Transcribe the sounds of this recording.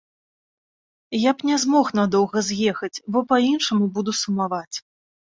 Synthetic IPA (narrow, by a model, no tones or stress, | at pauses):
japnʲɛzmɔxnad̪ɔwɣɐzʲjɛxɐt͡sʲbɔpainʂɐmubud̪usumavat͡sʲ